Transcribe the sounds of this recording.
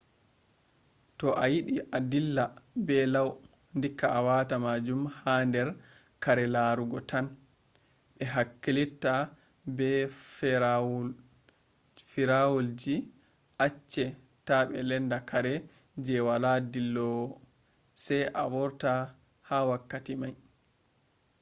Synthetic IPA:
tɔʔajiɗiʔadilːabɛlaw | ndikːaʔawaːtamad͡ʒumhandɛɾ | kaɾɛlaɾuɡɔtʰan | ɓɛɦakːilitːa | bɛf | fiɾawuld͡ʒi | ʔat͡ʃːɛ | taɓɛ̰lɛndakʰaɾɛ | d͡ʒɛwaladilːɔ | sajʔa̰wɔɾta | hawakːatimaj

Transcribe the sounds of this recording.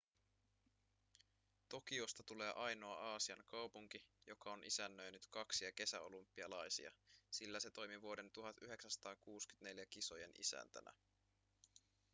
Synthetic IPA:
t̪o̞k̟io̞st̪ɑt̪ule̞ːʔɑjno̞ɑʔɑːsiɑŋkɑwpuŋk̟ijokɑo̞nʔisænːøjnyt̪kɑksiɑk̟e̞sæo̞̰lumpːiɑlɑjsḭɑ̰silːæse̞t̪o̞jmiʋuo̞de̞nt̪uɦɑt̪yɦe̞ksænsɑ̥t̪ɑːkuːsky̥t̪ne̞ljækiso̞je̞nḭsæ̰nt̪æ̰næ̰

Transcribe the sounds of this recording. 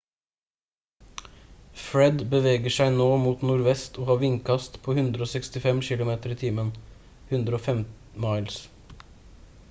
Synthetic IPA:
fɹɛd̪bəʋeːɡəʃæɪnoːmuːt̪nuːɾʋɛst̪ʰoːhɑːʋɪŋkʰɑst̪pʰoːhʉnd̪ɾəoːsɛkst̪ɪfɛmʃɪlʊmeːt̪əɾiːt̪ʰiːmən | hʉnd̪ɾəoːfɛmt̪ | mɑɪls

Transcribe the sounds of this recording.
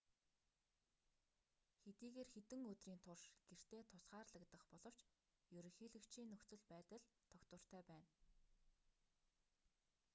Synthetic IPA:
xet̪iːɣeːrxet̪ɘ̆ŋɵt̪riːnt̪ʰʊrʃɡ̥er̥t̪ʰeːt̪ʰʊsɢaːrɮə̆kt̪ə̆χpɔɮɞ̆w̥t͡ɕ | jɵɾɵ̆ŋxiːɮɘ̆kt͡ɕʰiːnːɵxt͡sɵ̆ɮpæːt̪ə̆ɮt̪ʰɔkt̪wə̆r̥t̪ʰœːpæːn

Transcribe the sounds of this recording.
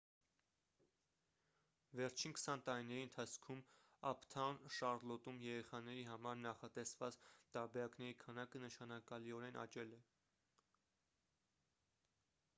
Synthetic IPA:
vɛɾt͡ʃʰinkʰə̥sɑnt̪ɑɾinɛɾiənt̪ʰɑt͡sʰkʰum | ɑpʰt̪ʰɑnʃɑɾlɔt̪umjɛɾɛχɑnɛɾiɦɑmɑɾnɑχɑt̪ɛsvɑt͡st̪ɑɾbɛɾɑknɛɾikʰɑnɑkənəʃɑnɑkɑliɔɾɛnʔɑ̰t͡ʃɛlɛ

